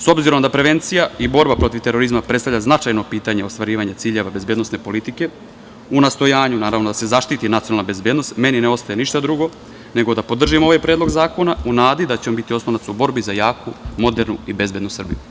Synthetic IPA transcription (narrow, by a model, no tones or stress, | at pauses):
so̞bziɾo̞md̪apɾe̞ʋe̞nt̪sijaibo̞ɾbapɾo̞t̪ivʋt̪e̞ɾo̞ɾizmapɾe̞t̪st̪avʎʲaznat͡ʃajno̞piːt̪aɲeost̪ʋaɾiːʋaɲet̪siːʎe̞ʋabe̞zbed̪no̞sne̞po̞lit̪ike̞ | unast̪o̞jaːɲunaːɾaʋnod̪ase̞zaʃt̪it̪inat̪sionalnabe̞zbeːd̪no̞st̪me̞nineo̞st̪aje̞niʃt̪ad̪ɾuɡo̞ | ne̞ɡo̞d̪apo̞d̪r̩ʒimo̞ʋajpɾed̪loɡzaːko̞naunaːd̪id̪at͡ɕeombit̪io̞snond̪asubo̞ɾbizajaːkumo̞d̪e̞ɾnuibe̞zbe̞d̪nusr̩bḭju